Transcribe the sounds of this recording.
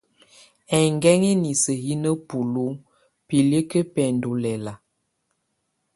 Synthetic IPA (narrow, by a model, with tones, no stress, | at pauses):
ɛ˨ŋɡɛ˦ŋɛ˦ni˨sə˨hi˦nə˦pu˨lu˦ | pi˨li˦kə˦pɛ˨n˨do˨lɛ˨la˨